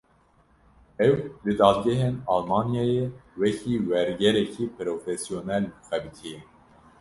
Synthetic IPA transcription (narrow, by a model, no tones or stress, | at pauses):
ɛwd̪ɨd̪ɑːd̪̚ɡɛɦeːnɑlmɑːnjɑːjewɛkʰiːwɛɾɡɛɾɛkʰiːpʰɨɾoːfɛsionɛlbxɛbɨt̪ʰijɛ